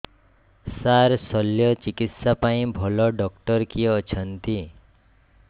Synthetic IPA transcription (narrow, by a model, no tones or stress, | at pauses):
saɾsɔlːjɔt͡ʃikit̪sapaĩbʱɔlɔɖɔkʈəɾkiɔt͡ʃʰənt̪i